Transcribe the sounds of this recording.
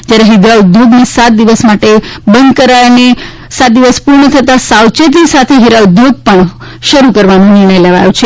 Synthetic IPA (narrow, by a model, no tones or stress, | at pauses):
d͡ʒjaɾeɦid̪aʋd̪ʱoɡnesat̪̚d̪iʋəsmaʈebənd̪kəɾajne | sat̪̚d̪iʋəspuɾɳət̪ʰət̪asawt͡ʃet̪̬isat̪ʰeɦiɾawd̪ʱoɡ̚pəɳ | ʃəɾukəɾʋanũnɪɾɳəjleʋa̰jut͡ʃʰe